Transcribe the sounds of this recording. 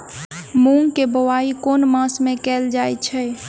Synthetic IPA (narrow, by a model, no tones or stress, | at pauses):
mũŋɡkebəwaikonmãsmẽkɛld͡ʒajt͡ʃʰɛ